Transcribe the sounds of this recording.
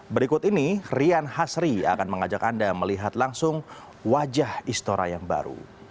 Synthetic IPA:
bəɾikʊt̪inirianhasɾia̰kanməŋad͡ʒakandaməliɦat̪laŋsʊŋ | wad͡ʒahist̪oɾa̰jaŋba̰ɾṵ

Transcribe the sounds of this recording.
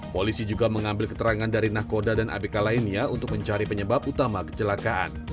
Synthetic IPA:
polisid͡ʒuɡaməŋambɪlkə̥t̪əɾaŋandaɾinahkodadanʔa̰bikalainiaunt̪ʊk̚məɲt͡ʃaɾipəɲəbap̚ut̪amakə̥t͡ʃəlakaʔa̰n

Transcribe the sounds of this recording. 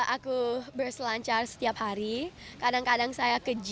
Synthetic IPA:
ʔakubərsəlaɲt͡ʃarsə̥t̪iap̚haɾikadaŋkadaŋsajakəd͡ʒ

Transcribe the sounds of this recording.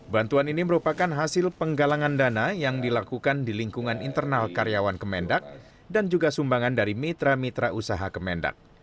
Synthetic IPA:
bant̪uaniniməɾupakanɦasɪlpəŋɡalaŋandanajaŋdilakukandiliŋkuŋanint̪ərnalkaɾjawankəmɛndak̚ | dand͡ʒuɡasumbaŋandaɾimit̪ɾamit̪ɾaʔusaɦakəmɛnda̰k̚

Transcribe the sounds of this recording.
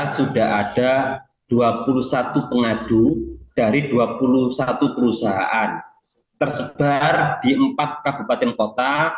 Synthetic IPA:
sudaɦad̥a | d̥uapulusat̪upəŋad̥ud̥aɾiduapulusat̪upəɾusaɦa̰ʔan | t̪ərsəb̥ard̥iəmpat̪̚kabṳpat̪ɛnkot̪a

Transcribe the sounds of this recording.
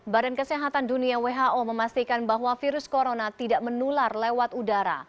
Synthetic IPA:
badankəseɦat̪anduniaweɦaʔoməmast̪ikanbaɦwafiɾʊskoɾonat̪idaʔmənularlewat̪udaɾa̰

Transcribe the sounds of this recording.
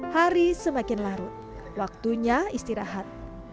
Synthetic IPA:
haɾisəmakɪnlaɾʊt̪̚ | wak̚t̪uɲaist̪iɾaɦat̪̚

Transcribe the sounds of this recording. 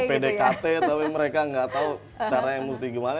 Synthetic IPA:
pedekat̪ɛt̪apiməɾekaŋɡat̪au | t͡ʃaɾajaŋmust̪iɡimana

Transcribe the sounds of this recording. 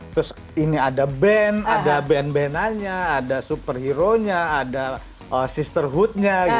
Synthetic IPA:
t̪ɾʊs | iniadabɛnadabɛnbɛnaɲaːdasupərhiɾoɲaːda | ʔəsist̪ərɦut̪̚ɲaɡi

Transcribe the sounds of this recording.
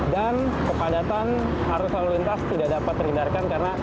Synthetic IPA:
dan | kəpadat̪an | haɾʊsaɾulint̪ast̪idaʔdapat̪ːɾindarkankarəna

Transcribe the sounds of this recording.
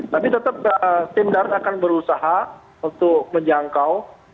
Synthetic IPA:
t̪apit̪ət̪əp̚əst̪indart̪akanbəɾusaɦa | unt̪ʊk̚məɲd͡ʒaŋkaw

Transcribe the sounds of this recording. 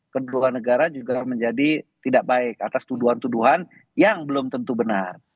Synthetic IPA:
kəduanəɡaɾad͡ʒuɡaməɲd͡ʒadit̪idaʔ̚baɪkat̪ast̪uduɦant̪uduɦan | jaŋbəlʊmt̪ənt̪ubənar

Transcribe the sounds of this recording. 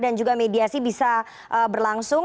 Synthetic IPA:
dand͡ʒuɡamediasibisa | ʔəbərlaŋsʊ

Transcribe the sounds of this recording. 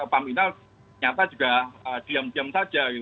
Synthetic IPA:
əpaminɔ | ɲat̪add͡ʒ̥ṳɡ̥aəd̪̥iəmd̪iəmsad̥ʒ̥a

